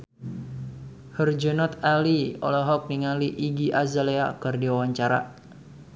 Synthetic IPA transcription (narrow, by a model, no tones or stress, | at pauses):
hərd͡ʒənɔt̪aliɔ̰lɔɦɔk̚niŋaliʔiɡiʔazaleakɨrdiwawaɲt͡ʃaɾa̰